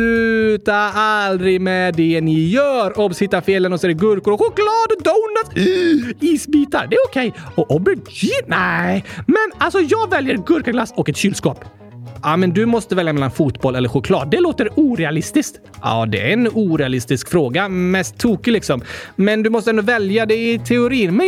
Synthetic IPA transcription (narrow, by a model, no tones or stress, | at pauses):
ʉːt̪aald̪ɾɪmɛd̪ɛnɪjœːɾɔbshɪt̪ːaɾfeːlənɔsɔɛəɡɵɾkʊɾɔɧʊklɑːd̪ɔd̪oʊna | iːsbiːt̪a̰ɾd̪ɛæɾʊkʰɛjɔʔɔbəɪnɛmɛnalsɔjɑːɡvɛljəɾɡɵɾkaɡlasːɔkːɛt̪ɕyːlskɑːp | ɑmɛnd̪ɵmɔst̪əvɛljamɛlːanfuːt̪bɔlɛlːəɾɧʊkʰlɑ̰ːd̪ːɛloːt̪əɾuːɾɛalɪst̪ɪskt̪ | ʔɑ̰ːd̪ɛæ̰ɾɛnuːɾɛalɪst̪ɪskfɾoːɡamɛst̪ʰːuːkɪlɪksɔmmɛnd̪ɵmɔst̪əɛnd̪ʊvɛljad̪ɛɪt̪ʰɛʊɾiːnmɛn